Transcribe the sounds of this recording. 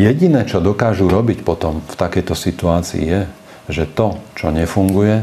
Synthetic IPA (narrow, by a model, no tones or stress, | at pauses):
jɛɟinɛːt͡ʃɔd̪ɔkaːʒuɾɔbicpɔt̪ɔmft̪akɛjt̪ɔsit̪uaːt͡sḭḭjɛ | ʒɛt̪ɔt͡ʃɔɲɛfuŋɡujɛ